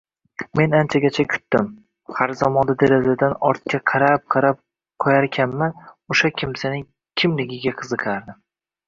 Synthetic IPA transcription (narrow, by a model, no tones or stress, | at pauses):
me̞nant͡ʃʰaɡʲat͡ʃʰakʲʰʊ̥t̪ːɪm | haɾzamɒnd̪ad̪eɾazad̪anɒɾt̪̚kʲaqʰɑɾap̚qʰɑɾap̚ | qʰɒjaɾkʲʰanmanoʃakʲʰɪmsanɪŋ | kʲʰɪmlɪɡʲɪɡʲaqʰɨzɨqʰaɾd̪ɪ